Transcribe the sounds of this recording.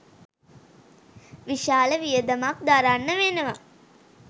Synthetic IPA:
ʋiʃaːləʋijəd̪əmak̚d̪aɾanːəʋenəʋa

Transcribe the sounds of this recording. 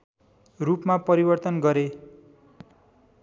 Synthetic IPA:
rupmapʌɾibʌrt̪ʌnɡʌɾe

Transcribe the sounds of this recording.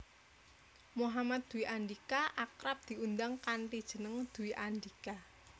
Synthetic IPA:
moɦamat̪̚d̪̥ṳwiʔandikaʔakɾap̚d̪̥i̤und̪aŋkanʈid̥ʒ̥ə̤nəŋd̪̥ṳwiʔand̪ika

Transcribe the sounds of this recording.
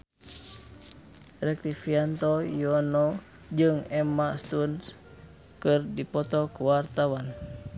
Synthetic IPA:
rɛk̚t̪ifiant̪ɔjɔnɔ | d͡ʒɨŋɛmast̪uns | kɨrdipɔt̪ɔkəwart̪awan

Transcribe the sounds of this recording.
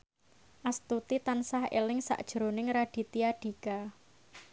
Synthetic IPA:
ʔast̪ut̪it̪ansahḛlɪŋsa̰ʔd̥ʒ̥ɾonɪŋɾaɖ̥i̤t̪iaɖ̥i̤ka

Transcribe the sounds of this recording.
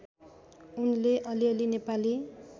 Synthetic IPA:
unleʔʌliʌlinepali

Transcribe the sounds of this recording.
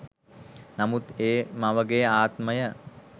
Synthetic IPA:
namut̪eːmaʋəɡejaːt̪məjə

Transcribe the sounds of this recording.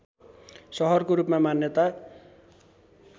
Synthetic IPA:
sʌɦʌrkoɾupmamanjʌt̪a

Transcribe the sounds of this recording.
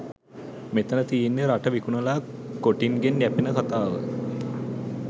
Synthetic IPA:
met̪ənət̪ijenːeɾaʈəʋikunəlaː | koʈiŋɡenjæpinəkat̪aːʋə̰

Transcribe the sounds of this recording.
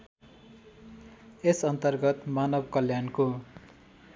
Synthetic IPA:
esʌnt̪ʌrɡʌt̪manʌbkʌljanko

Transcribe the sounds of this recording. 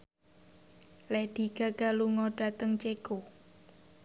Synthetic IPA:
lɛhɖ̪̥iɡ̥aɡ̥aluŋɔɖ̥a̤t̪əŋt͡ʃeɡ̥o

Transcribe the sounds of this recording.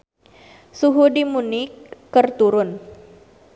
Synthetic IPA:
suɦudimunɪkːərt̪uɾʊn

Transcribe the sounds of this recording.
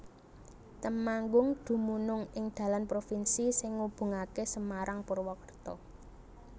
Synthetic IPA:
t̪əmaŋɡʊŋd̪̥ṳmunʊŋɪŋd̪̥ä̤lanpɾofinsisɪŋːub̥ṳŋakesəmaɾaŋpʊrwɔkərt̪ɔ̰

